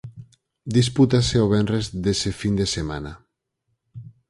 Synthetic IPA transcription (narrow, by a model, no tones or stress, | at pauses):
d̪is̬put̪aseoβ̞enrezðesefind̪esema̰na